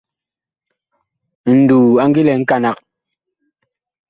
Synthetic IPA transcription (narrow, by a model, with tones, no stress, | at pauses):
n̩˨duː˨a˦ŋ˦ɡi˦lɛ˨ŋ̩˦ka˨na˨k̚